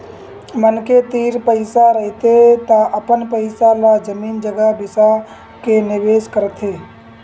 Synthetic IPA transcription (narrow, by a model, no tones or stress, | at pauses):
mənket̪iːɾpəɪsaɾəɦit̪et̪aʔəpənpəɪsalad͡ʒəmiːnd͡ʒəɡəbɪsa | kenɪʋeːskəɾət̪ʰɦeː